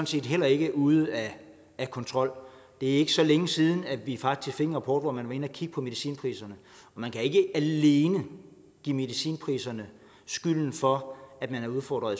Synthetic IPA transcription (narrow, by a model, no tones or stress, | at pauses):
ɒ̽n̩se̝̰ːd̥ɦel̰ɐe̝ɡ̥əʔuð̞ˠæː | kʰɒ̽nt͡sʰʁɒ̽l̰d̥e̝æe̝ɡ̥əsɒ̽leŋəsiːð̞ˠn̩æ̥ʋifɑ̈ɡ̥ʰisɡ̥fe̝ŋəʁɐpʰɒːd̥ʋɒmænʋɑ̈e̝nəækʰiɡ̥əpʰɒ̽me̝ðˠisḭːnpʰʁḭːsɐnə | ɒ̽mænkʰæe̝ɡ̥əæle̝ːnə | ɡ̥ḭːme̝ðˠisḭːnpʰʁḭːsɐnə | sɡ̥yl̰n̩fɒ̽æd̥mænhæ̈uðˠfɒ̰ːd̥ʁɐðˠ